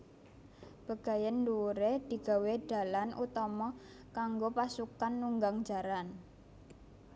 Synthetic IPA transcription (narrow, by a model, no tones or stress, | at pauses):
b̥a̤ɡ̥a̤jənduɾed̪̥i̤ɡ̥a̤weɖ̥a̤lanʔṵt̪ɔmɔ | kaŋɡopasukanːuŋɡaŋ̥d͡ʒa̤ɾan